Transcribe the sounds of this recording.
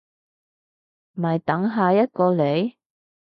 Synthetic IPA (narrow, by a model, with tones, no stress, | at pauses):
m̩˨ɐ˨˩jt̪ɐ˨˥ŋɦaː˨jɐ˥t̚kɔː˧le˨˧j